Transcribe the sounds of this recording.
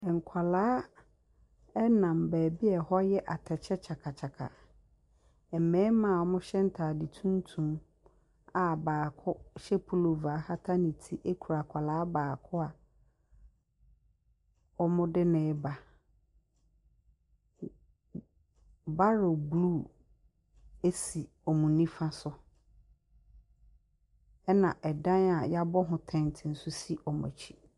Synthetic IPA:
ɛ˨ŋ̩˨kʰa˨laː˦ | ɛ˦nã˨mbɛː˨bi˦ɛ˨hɔ˦jɛ˦ʔa˨tʰɛ˨t͡ɕʰɛ˦t͡ɕʰa˨kʰa˨t͡ɕʰa˨kʰa̰˨ | ɛ˨mɛ̃˦mã˦˨ɔ˦mʊ̃˦ɕɛ˦n̩˦tʰaː˨dɪ˨tʰũ˦n˦tʰũ˨m | a˨baː˨kʰʊ˦ɕɛ˦pʰu˦˨lo˨va˨˦ha˦tʰa˦nĩ˨tʰi˦ʔe˦kʰu˨ɾa˨kʰa˨laː˨˦baː˨kʰʊ˦a˨ | ɔ˦mʊ̃˦dɪ˦nɛ̃˨˦ba˨ | ba˦ɾo˨blu˦˨ | e˦si˨ | ɔ˨mũ˨nĩ˦fã˦sʊ˦ | ɛ˦nã˨ʔɛ˨dã˦na˨ja˦bɔ˦ɦʊ̃˨tʰɛ̃˨n˨tʰɪ˨n̩˨sʊ˦si˦ʔɔ˨m˨a̰˨t͡ɕʰi̥˦

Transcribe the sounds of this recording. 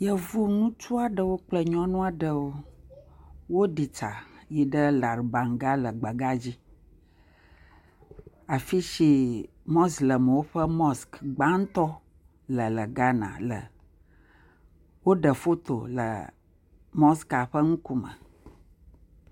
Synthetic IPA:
jə˨vu˦nũ˦t͡ʃu˦a˨ɖə˦wo˦k͡plə˦ɲɔ̃˦nũ˦a˨ɖə˨wo˦ | wo˦ɖi˨t͡ʃa̰˨ji˨ɖə˦la˨ɾba˨ŋ˨ɡa˦lə˨ɡ͡ba˨ɡa˦d͡ʑi˦ | a˨fi˦ʃi˦ | mɔ˦slə˨m˨wo˦ɸə˦mɔ˦skɡ͡ba˦ŋ̩˦t̪ɔ˦ | lə˨lə˨ɡa˦nã̰˨lə̰˨ | wo˦ɖə˨fo˦t̪o̰˨lə̰˨ | mɔ˦ska˨ɸə˦ŋũ˦ku˦mə̰˨

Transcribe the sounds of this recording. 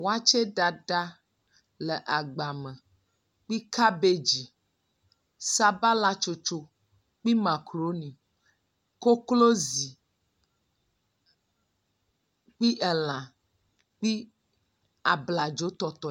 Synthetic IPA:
wo˦a˦t͡ʃe˦ɖa˨ɖa˦ | lə˨ʔa˨ɡ͡ba˨mə˨ | k͡pi˦ka˦be˦d͡ʒi˨ | sa˦ba˦la˦t͡ʃo˦t͡ʃo˨ | k͡pi˦mã˨kɾo˦nĩ˨ | ko˦klo˦zi˨ | k͡pi˦ʔɛ˨l̃ã˨ | k͡pi˦ | a˨bla˨d͡ʒo˨˦t̪ɔ˦t̪ɔ˨

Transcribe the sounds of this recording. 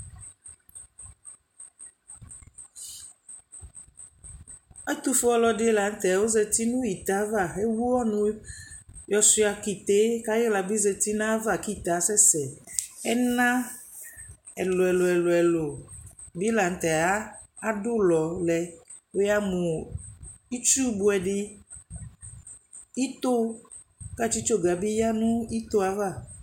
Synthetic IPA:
e˦t̪u˦fɔ˦lɔ˨ɖe˦la˨ŋ̩˦t̪ɛ˨a˨wo˦zɛ˨t̪i˦nũ˦i˨t̪a˨˦va˦˨e˦wu˦wɔ˦nũ˦ | jɔ˦si˦a˨ki˨t̪e˦ka˦je˦la˨bi˦zɛ˨t̪i˦nã˦va˨ki˦˨t̪a˨˦sɛ˦sɛ˨ɛ˦nã˦ | ɛ˨lo˨ɛ˨lo˨ɛ˨lo˨ɛ˨lo˨ | bi˦la˨ŋ̩˨t̪ɛ˨a˦ | a˦dʊ˦lɔ˨lɛ˨ | we˦ja˦mũ˨ | i˦t͡ʃu˦bu˦ɛ˨ɖi˦ | i˦t̪o˦ | ka˦˨t͡ʃi˦t͡ʃo˦ɡa˨bi˦ja˦nũ˦i˦t̪o˦a˨va˦˨

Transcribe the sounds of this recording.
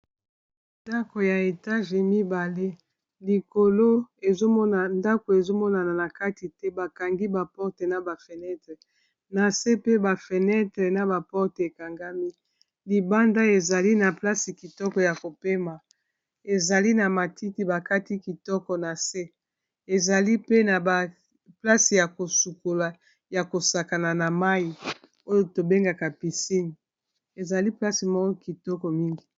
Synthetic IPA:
nda˦ko˨ja˨e˨ta˦ʒe˨mi˦ba˨le˦ | li˨ko˨lo˦e˨zo˦mɔ˦na˨nda˦ko˨e˨zo˦mɔ˦na˨na˨na˨ka˦ti˨tɛ˦ba˨ka˨ŋɡi˦ba˨pɔ˦ʁte˨na˨ba˨fe˨nɛ˦tʁe˨ | na˨se˦pe˦ba˨fe˨nɛ˦tʁɛ˨na˨ba˨pɔ˦ʁte˨ka˨ŋɡa˦mi˦ | li˨ba˦nda˦e˨za˨li˦na˨pla˦si˨ki˨tɔ˦kɔ˨ja˨ko˨pe˦ma˨ | e˨za˨li˦na˨ma˨tʰi˦ti˨˦ba˨ka˦ti˦ki˨tɔ˦kɔ˨na˨se˦ | e˨za˨li˦pe˦na˨ba˨ | pla˦si˨ja˨ko˨su˨ko˨la˨ | ja˨ko˨sa˨ka˨na˨na˨ma˦ji˨ | o˦jo˨to˨be˦ŋɡa˨ka˨pi˨si˦ni˨ | e˨za˨li˦pla˦si˨mɔ˦ɔ˦ki˨tɔ˦kɔ˨mi˦ŋɡi˨

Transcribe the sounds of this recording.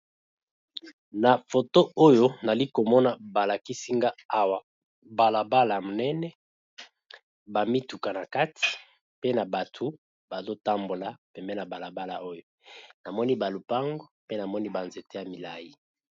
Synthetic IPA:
na˨fo˨to˦o˦jo˦na˨li˦ko˨mɔ˦na˨ba˨la˨ki˦si˦ŋɡa˦a˦wa˨ | ba˨la˨ba˦la˨mo˨nɛ˦nɛ˦ | ba˨mi˦tu˨ka˨na˨ka˦tʰi̥˨ | pe˦na˨ba˨tʰu˨ | ba˨zo˦ta˦mbo˨la˨pɛ˨mbɛ˦na˨ba˨la˨ba˦la̰˨o˦jo˨na˨mɔ˦ni˦ba˨lu˨pa˦ŋɡo˦pe˦na˨mɔ˦ni˦ba˨nze˨te˦ja˨mi˨la˨ji˦

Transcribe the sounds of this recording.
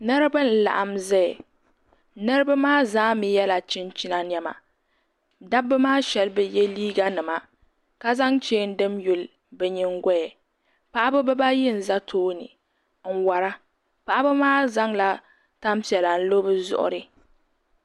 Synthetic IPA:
nɨ˦ɾɨ˦bɨ˦n̩˨la̰˨ʔa˨mzɛ˦˨ɛ˨ | nɨ˦ɾɨ˦ba˦maː˦zaː˦mi˨jɛ˦la˨t͡ʃɪ˦nt͡ʃi˦na˦njɛ˦ma̰˨ | da˦bːɨ˦maː˦ʃɛ˨lbɛ˨jɛ˦liː˦ɡa˦nɨ˨ma˨ | ka˨za˦ŋt͡ʃeː˦n̩˦dɨ˦mju˨l | bɛ˨ɲɪ˦ŋɡɔ˦jɛ˨ | pa˨ʔa˦bɨ˦bɨ˦ba˦jɪ˦n̩˨za˦tʰoː˦nɨ̰˨ | ŋ̩˨wa˨ɾa˦ | pa˨ʔa˦bɨ˦maː˦za˦ŋla˦ | ta˦mpi˨ɛ˨la˨n̩˦lo˦bɨ˦zʊ̰˦ʔʊ̰˦ɾɨ˨

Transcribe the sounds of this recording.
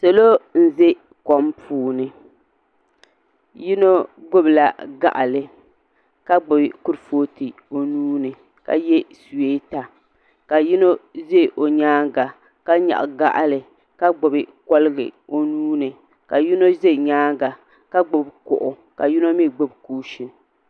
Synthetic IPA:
sɛ˨lo˦n̩˦ze˦ | kɔ˨mpʰuː˦nɨ˨ | ji˦no˦ɡʊ˦bla˨ɡa̰˨ʔa̰˨lɨ˨ | ka˦ɡ͡bʊ˨bkʊ˦ɾfoː˦ti˨ | o˨nuː˦nɨ˨ | ka̰˨jɛ˦su˨we˦ta˨ | ka˨ji˦no˦ze˦˨ʔo˨ɲaː˦ŋɡa˨ | ka˦ɲa̰˨ʔɡa˦ʔa˦lɨ˨ | ka˦ɡ͡bʊ˨bɨ˨kɔ˦lɨ˦ɡɨ̰˨o˦nuː˦nɨ˨ | ka˨ji˦no˦ze˦˨ɲaː˦ŋɡa˨ | ka˦ɡ͡bʊ˦bkʊ̰˨ʔʊ˨ | ka˨ji˦no˦mi˦ɡ͡bʊ˦bkuː˦ʃɪ˨n

